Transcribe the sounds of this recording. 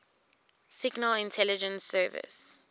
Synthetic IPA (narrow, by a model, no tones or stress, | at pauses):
sɪɡnəlɪ̃ntʰɛlid͡ʒə̃nsɜːvɪ̰s